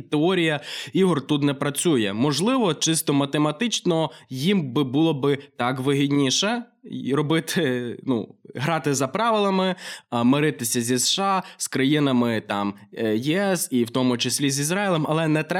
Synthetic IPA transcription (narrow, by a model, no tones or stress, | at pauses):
t̪eɔɾʲijɐiɦɔrt̪ut̪nɛpɾɐt͡sʲujɛmɔʒlˠɪʋɔt͡ʃɪst̪ɔmɐt̪emɐt̪ɪt͡ʃnɔjimbɪbulˠɔbɪt̪ɑkʋɪɦid̪ʲnʲiʃɛɾɔbɪt̪ɪnṵɦɾɑt̪ɪzɐpɾɑʋɪlˠɐmɪmɪɾɪt̪ɪsʲɐzʲisʃɑskɾɐjinɐmɪt̪ɑmjiɛsiwt̪ɔmʊt͡ʃesʲlʲizʲizɾɑɪlʲˠɛmɐlˠɛnɛt̪ɾɛ